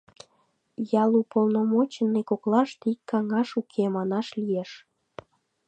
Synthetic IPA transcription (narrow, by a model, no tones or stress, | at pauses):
jɑlupolnomot͡ɕənːekoklɑʃt̪ikːɑŋɑʃukʰemɑnɑʃlijeʃ